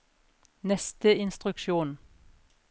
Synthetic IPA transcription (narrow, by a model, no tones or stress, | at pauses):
nɛst̪əɪnst̪ʁʉkʃuːn